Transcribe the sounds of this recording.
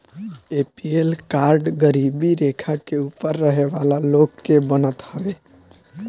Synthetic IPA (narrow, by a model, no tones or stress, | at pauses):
epielkaɾɖɡəɾibiɾekʰakeupəɾːəɦeʋalaloɡːebənət̪ɦəbe